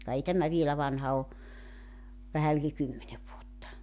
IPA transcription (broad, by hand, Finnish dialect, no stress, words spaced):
kɑ ei tæmæ ʋielæ ʋɑnhɑ o ʋæhæ yli kymːene ʋuotːɑ